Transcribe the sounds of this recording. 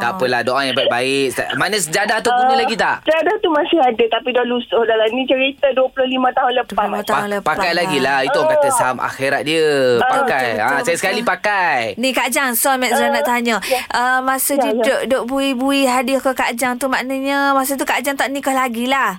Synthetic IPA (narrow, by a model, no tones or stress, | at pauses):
t̪apəlahdoʔaŋjãbait̪̚baɪʔamanə̃səd͡ʒadaht̪ukunəlaɡit̪aʔt͡ʃəadat̪umãsɪhadət̪apidɔlusʊhdalanĩt͡ʃəɾit̪aduəpulʊhlimãt̪aɦʊnlədat̪aɦʊləpaakajlaɡilahit̪uãŋkat̪əsaɦama̰xiɾat̪̚diəpakajasajasə̥kalipakajnĩkad͡ʒaŋsɔmɛʔzanaʔt̪aɲə̃ʔəmasodidoʔdoʔbuibuiɦadikəkad͡ʒaŋt̪umaʔnəɲamas̬ot̪̬ukad͡ʒaŋt̪aʔnĩkahlaɡilah